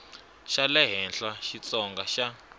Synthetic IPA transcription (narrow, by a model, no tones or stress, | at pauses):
ʃalɛɦɛnɬaʃit͡sɔŋɡaʃa